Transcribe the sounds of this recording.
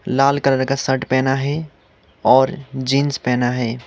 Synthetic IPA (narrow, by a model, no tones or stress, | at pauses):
laːlkəɾəɾkasəʈpɛːnaɦɛ | ɔːɾd͡ʒinspɛːnaɦɛː